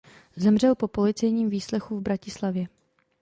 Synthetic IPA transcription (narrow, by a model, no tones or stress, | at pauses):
zɛmr̝ɛlpo̞po̞lɪt͡sɛjɲiːmviːslɛxuvbɾacɪslavjɛ